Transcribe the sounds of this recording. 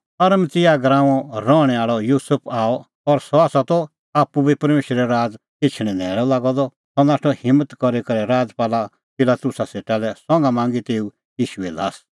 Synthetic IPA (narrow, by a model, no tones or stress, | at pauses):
ɐɾəmt̪ɪjaɡɾãːɔ̃ɾɔːɽ̃ɛaːɭɔjuːsəpʰaːɔ | ɔɾsɔaːsat̪ɔ | aːpːubipɐɾmeːʃɾɛɾaːd͡z | kɪt͡ʃʰɽ̃ɛ̃nɛːɾɔlaːɡɔd̪ɔ | sɔnaːʈʰɔhɪ̃mːət̪kɔɾikɐɾɛɾaːd͡zpaːla | pɪlaːt̪ʊsaseːʈalɛsɔ̃ŋɡamãːŋɡit̪eːu | jiːʃuɛlaːs